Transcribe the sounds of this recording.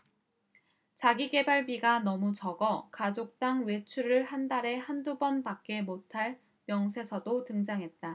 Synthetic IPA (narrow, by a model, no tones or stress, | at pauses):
t͡ɕaɡiɡe̞baɭbiɡanʌmut͡ɕʌɡʌkad͡ʑok̚t͈aŋwe̞t͡ɕʰuɾɯɭhandaɾe̞handubʌnpak͈e̞motʰaɭ | mjʌŋsʰe̞sʰʌdotɯŋd͡ʑaŋɦe̞t̚t͈a